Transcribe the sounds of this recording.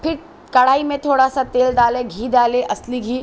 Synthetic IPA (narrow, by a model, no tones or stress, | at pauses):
pʰɪɾ | kɐɽaːimẽt̪ʰoːɽasat̪eːld̪aːleɡʱiːd̪aːleʔɐsliɡʱiː